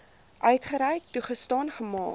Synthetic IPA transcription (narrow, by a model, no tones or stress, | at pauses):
ʔœɥtχəɾɛjk̚tuχəstɑːnχəmɑ̰ː